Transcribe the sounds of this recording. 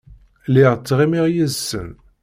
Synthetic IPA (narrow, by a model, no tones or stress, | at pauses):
lɪʁt͡sːʁimiʁjəzsə̰n